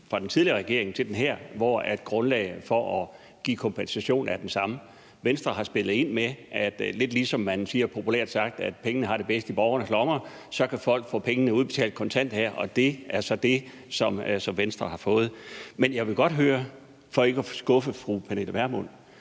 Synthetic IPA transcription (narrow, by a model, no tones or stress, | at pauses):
fʁɑ̈d̥ent͡sʰiðˠliɐʁɛɡ̥e̝ɐ̰e̝ŋ̩t͡sʰe̝d̥enɦæɐ̰ʋɒæd̥̚ɡ̥ʁɔ̽nlɛ̰ɪfɒʔɒ | ɡ̥ḭːkʰɔ̽mpʰensæɕo̝̰ːnæɐd̥ensɑ̈mə | ʋensd̥ʁɐɦɑ̈sb̥e̝lð̩ˠe̝n̰meʔæd̥le̝d̥liːsɒ̽mːænsiːɐpʰo̝pʰulḛɐ̰d̥sɑ̈ɡ̥̚d̥æd̥pʰeŋənəɦɑ̈ɾ̥e̝b̥esd̥əib̥ɒʊɐnəslɒmɐ | sɒ̽kʰæfɒ̽l̰ɡ̥fɔ̰̽ːpʰeŋənəuð̞ˠb̥e̝̥t͡sʰɛ̰ːld̥̚kʰɒ̽nt͡sʰæn̰d̥hæɐ̰ʔɒ̽d̥e̝æɐsɒ̽d̥e̝ | sɒ̽msɒ̽mʋensd̥ʁɐhɑ̈fɔ̽ːð̞̩ˠmenjɑ̈ɪʋe̝ɡ̥ɒ̽d̥ɦøːɐ | fɒ̽e̝ɡ̥əæsɡ̥ɔ̽fəfʁupʰænel̥æʋæɐmɔn̰